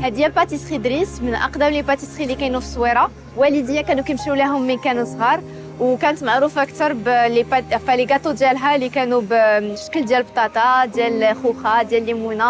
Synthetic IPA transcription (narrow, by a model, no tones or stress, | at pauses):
hæd̪jælpɑt̪isxid̪ɾismənʔɑ̰qd̪æmlipɑt̪isxilikæjnufsˤwiɾˤɑ | wælid̪əjækænukæmʃulæɦʊmːənkænəsˤhɑɾˤ | wkænət̪maʕɾufəkt̪əɾˤblipfæliɡæt̪ud̪jælɦælikænubʃkːəld̪jælbt̪ˤɑt̪ˤɑd̪jælxuxɑd̪jælːimuna